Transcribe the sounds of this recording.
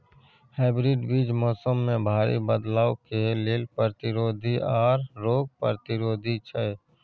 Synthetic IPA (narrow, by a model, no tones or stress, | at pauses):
heːbɾiɖbiːd͡ʒmɔːsəmːẽbʱaːɾḭbəd̪laːokelelpɾt̪ɪɾoːd̪ʱiʔɔːɾːoːɡ̚pə̰ɾət̪ɪɾoːd̪ʱit͡ʃʰə